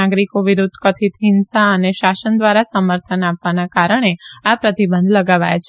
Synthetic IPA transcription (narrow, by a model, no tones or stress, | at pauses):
aɡɾikoʋiɾud̪ʱːkət̪ʰit̪ɦɪnsaəneʃasənd̪ʋaɾasəməɾt̪ʰənapʋanakaɾəɳ̃eapɾət̪ibə̃nd̪ʱləɡaʋa̰jt͡ʃʰ